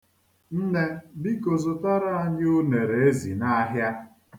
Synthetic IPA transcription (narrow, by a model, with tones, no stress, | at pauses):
n̩˦ne˦bi˦ko˨zʊ˨ta˦ɾa˦a˦ɲɪ˦ʊ˦ne˨ɾe˨e˦zi˨na˦ɦja˦